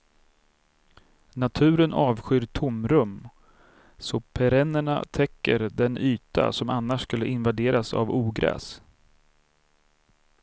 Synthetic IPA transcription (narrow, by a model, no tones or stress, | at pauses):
nat̪ʰʉ̟ːɾənɑːvɧʏɾt̪ʰʊmɾɵm | sɔpʰɛɾɛnːəɳa̰t̪ʰɛkːə̰ɾd̪ɛnyːt̪a̰sɔmanːaʂskɵlːəɪnvad̪eːɾasa̰vuːɡɾɛ̰ːs